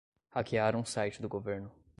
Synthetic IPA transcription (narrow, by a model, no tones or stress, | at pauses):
hakiaɾɐ̃ũsajt͡ʃɪd̪ʊɡoveɾnʊ